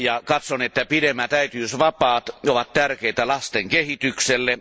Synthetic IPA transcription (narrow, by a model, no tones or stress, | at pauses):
jɑkɑt̪sonet̪ːæpidemːæt̪æyt̪yːsʋɑpɑːt̪oʋɑt̪t̪ærkeit̪ælɑst̪eŋkehit̪ykselːe